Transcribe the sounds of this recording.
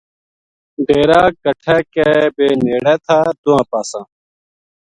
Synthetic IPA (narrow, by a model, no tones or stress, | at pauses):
ɖeːɾaːɡəʈʰɛːkɛːbeːneːɽɛːt̪ʰaːd̪ʊãːpaːsãː